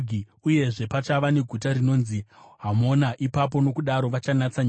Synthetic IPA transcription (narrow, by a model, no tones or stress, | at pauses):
i | uje̞ʐe̞pat͡ʃaʋane̞ɡʱutarino̞ːnziɦamo̞naʔipapo̞no̞kuɗaɾo̞ʋat͡ʃanat͡saɲa